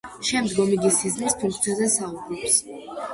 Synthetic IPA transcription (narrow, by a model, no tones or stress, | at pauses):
ʃɛmd̪ɡɔmiɡisiznispʰuŋk̚ʰt̪siazɛsaubɾɔps